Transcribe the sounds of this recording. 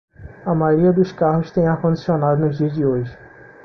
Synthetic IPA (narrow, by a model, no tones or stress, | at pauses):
ɐmajɾiɐd̪uʃkaɦoʃt̪ẽj̃akõnd̪isonad̪onoʒdid͡ʒiojʃ